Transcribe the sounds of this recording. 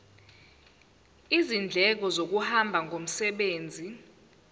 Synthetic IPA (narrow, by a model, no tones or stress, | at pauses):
izind͡ɮʱɛk̬ɔzok̬uhambʱaŋɡʱom̩sɛɓeːnd͡zʱi